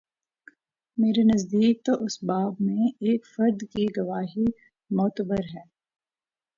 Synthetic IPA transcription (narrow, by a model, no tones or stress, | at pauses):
meːɾenɐzd̪iːk̚t̪oʔʊsbaːbmẽeːkfɐɾd̪kiɡɐʋaːɦi | mɔːt̪əbəɾɦɛː